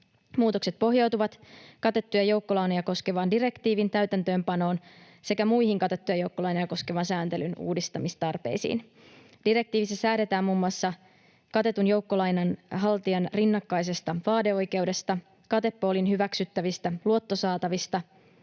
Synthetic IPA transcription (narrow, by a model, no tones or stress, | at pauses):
muːt̪o̞kse̞t̪̚po̞ɦjɑwt̪uʋɑt̪kɑt̪et̪ːujɑjo̞wkːo̞lɑːnojɑko̞ske̞ʋɑːndiɾe̞kt̪iːʋint̪æyt̪ænt̪ø̞ːmpɑno̞ːn | se̞kæmuihiŋkɑt̪et̪ːyjɑjo̞uwkːolɑjnɑjɑko̞ske̞ʋɑnsæːnt̪e̞lynṵːdist̪ɑmist̪ɑrpe̞̰jsḭːn | d̥iɾe̞k̚t̪iːʋisːæsæːde̞t̪æːmuːmːuɑsːɑ | kɑt̪e̞t̪unjo̞wkːo̞lɑjnɑnɦɑlt̪iɑnrinːɑkːɑjs̬e̞st̪ɑʋɑːde̞o̞jk̟e̞uwde̞st̪ɑ | kɑt̪e̞pːo̞ːlinɦyʋæksyt̪ːæʋist̪æluo̞t̪ːo̞sɑːt̪ɑʋist̪ɑ